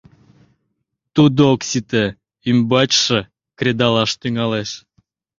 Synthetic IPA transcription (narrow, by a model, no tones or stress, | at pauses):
t̪ud̪ooksit̪e | ymbɑt͡ɕʃĕ | kɾʲed̪ɑlɑʃt̪yŋɑleʃ